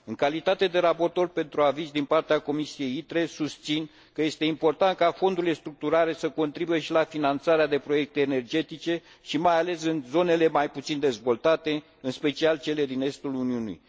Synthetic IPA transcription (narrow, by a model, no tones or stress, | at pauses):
ɨŋkalit̪at̪e̞d̪e̞ɾapo̞rt̪o̞rpe̞nt̪ɾuavizd̪inpart̪eako̞misie̞jit̪ɾe̞sust̪sin | kəje̞st̪e̞impo̞rt̪ant̪̚kafo̞nd̪uɾilest̪ɾuk̚t̪uɾaɾe̞səko̞nt̪ɾibuje̞ʃilafinant̪saɾead̪e̞pɾo̞je̞k̚t̪e̞ːne̞rd͡ʒe̞t̪it͡ʃe̞ | ʃimajale̞sɨnzo̞ne̞le̞majput̪sind̪e̞zvo̞lt̪at̪e̞ | ɨnspe̞t͡ʃialt͡ʃe̞le̞d̪ine̞st̪uluniunḭj